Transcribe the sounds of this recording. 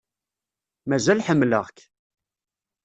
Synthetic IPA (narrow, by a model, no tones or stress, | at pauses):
mæzælħəmːlə̰ʁk